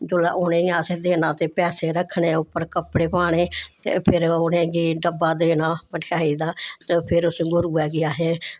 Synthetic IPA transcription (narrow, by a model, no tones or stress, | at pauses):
d͡ʒʊlaːʔʊnẽːaːseːd̪eːnaːt̪eːpɛːseːɾəkʰːɳeːʊpːəɾkəpɽeːpaːɳ̃eːt̪ḛːpʰɪɾʊnẽːɡiːɖəbːaːd̪eːnaːməʈʰɪaːiːd̪aːt̪epʰɪɾʊsɡʊɾuːɛːɡɪaːɦeː